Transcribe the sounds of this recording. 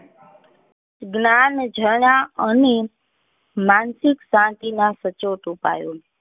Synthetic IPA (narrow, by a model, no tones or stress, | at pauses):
ɡnand͡ʒʱəɳaəne | mansɪksãt̪inasət͡ʃoʈupa̰jo